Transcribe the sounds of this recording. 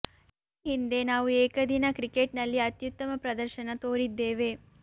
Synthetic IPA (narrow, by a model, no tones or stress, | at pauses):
iiiːɦind̪e̞naːʋueːkɐd̪inɐkɾikeʈnɐlːiɐt̪jut̪ːɐmɐpɾɐd̪ɐɾʃɐnɐt̪oːɾid̪ːeːʋe̞ː